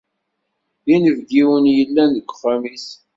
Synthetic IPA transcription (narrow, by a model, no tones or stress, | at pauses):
inəvɡiwənjəlːænðəɡʷːfæmis